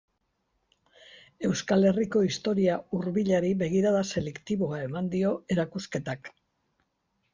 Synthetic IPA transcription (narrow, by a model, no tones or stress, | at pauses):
e̞wskale̞riko̞ist̪o̞ɾiauɾβiʎaɾiβe̞ɣiɾaðase̞le̞kt̪iβo̞ae̞mand̪io̞e̞ɾakuske̞t̪ak